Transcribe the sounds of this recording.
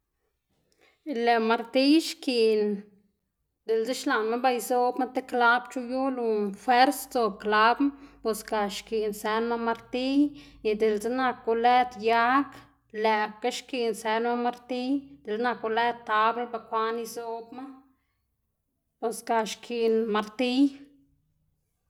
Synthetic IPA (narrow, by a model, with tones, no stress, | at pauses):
le˨ma˧ɾt̪i˦jʃki˧ʔn | d̪e˨lze˦ʃla˨nma˦ba˧jzo˧bma˦t̪e˦kla˦bt͡ʃu˧ju˦lu˧fwe˦ɾst͡so˧b̚kla˧˦bma˦po˧ska˧˨ʃki˨nse˧˦nma˦ma˧ɾt̪i˦j | i˧d̪e˨lze˦na˧kːu˧le˦d̪ja˦k | le˧˨b̚ka˦ʃki˧˨nse˧nma˦ma˧ɾt̪i˦jd̪̥e˨lna˧ku˧le˦d̪̚t̪ːa˧be˦ba˧kʷa˦ni˧zo˧bma˦ | po˨ska˧ʃkʰi˧nma˧ɾt̪i˦j